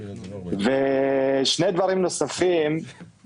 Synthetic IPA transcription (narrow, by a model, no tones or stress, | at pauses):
veʃnejd̪vaɾimnosafim